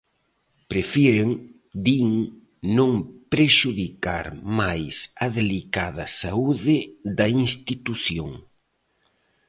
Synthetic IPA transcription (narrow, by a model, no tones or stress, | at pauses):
pɾefiɾeŋ | d̪iŋ | nõŋpɾeʃuðika̰ɾmajsɐðelikað̞ɐsauðɪðɐiŋst̪it̪uθjoŋ